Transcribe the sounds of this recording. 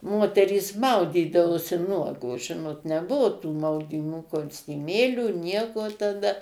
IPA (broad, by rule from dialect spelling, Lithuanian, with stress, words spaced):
ˈmoːtʲɛrʲiːs ˈmɐʊdʲiːdɐʋoːsʲɪ ˈnuɔɡoːs ˈʒʲɪnoːt nʲɛˈbʊʋʊ tuː mɐʊdʲiːˈmuː koːsʲtʲɪˈmʲeːlʲuː ˈnʲiɛkoː tɐˈdɐ